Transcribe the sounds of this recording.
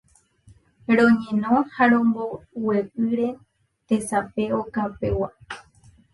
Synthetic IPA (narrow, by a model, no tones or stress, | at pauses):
ɾõɲẽ̞nõhaɾõ̞mbowepɨɾe̞ | t̪e̞sape̞okape̞wa